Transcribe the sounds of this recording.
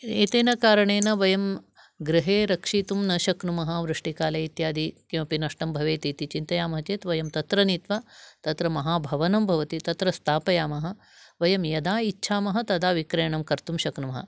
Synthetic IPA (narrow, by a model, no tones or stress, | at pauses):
eːt̪eːnɐkaːɾɐɳeːnɐʋɐjɐm | ɡɾiɦeːɾɐkʂiːt̪umnɐʃɐknumɐɦɐʋɾɨʂʈikaːlɐit̪jaːd̪ikĩʋɐpinɐʂʈɐmbʱɐʋeːt̪iːt̪it͡ʃint̪ɐjaːmɐɦɐt͡ʃeːt̪ʋɐjɐmt̪ɐt̪ɾɐniːt̪ʋat̪ɐt̪ɾɐmɐɦaːbʱɐʋɐnɐmbʱɐʋɐt̪it̪ɐt̪ɾɐst̪ʰaːpɐjaːmɐɦɐ̆ | ʋɐjɐmjɐd̪aːitːt͡ʃʰaːmɐɦɐ̆t̪ɐd̪aːʋikɾɐjɳɐmkɐɾt̪umʃɐknumɐɦɐ̰